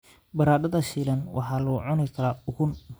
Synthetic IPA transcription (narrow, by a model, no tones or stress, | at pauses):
bɐɾaːd̪ɐðɐʃiːlɐnwʔɑ̰ħɑːlʊʕʊnɪkʰɐlɐʊɣʊn